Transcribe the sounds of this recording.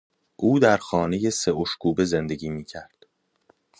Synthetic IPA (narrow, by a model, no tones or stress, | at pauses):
ʔuːd̪æɾxɒːne̞je̞se̞oʃkʰuːbe̞ze̞nd̪e̞ɟʲiːmiːcʰæɾd̪̥